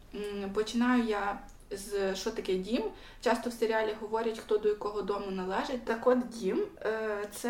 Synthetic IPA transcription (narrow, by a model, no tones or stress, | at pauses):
pɔt͡ʃɪnɑjʊja | zʃɔt̪ɐkɛdʲim | t͡ʃɑst̪ɔwseɾʲɪɑlʲiɦɔʋɔɾʲɐtʲxt̪ɔd̪ɔjɐkɔɦɔd̪ɔmʊnɐlˠɛʒet̚ʲt̪ɐkɔd̪dʲimt̪sɛ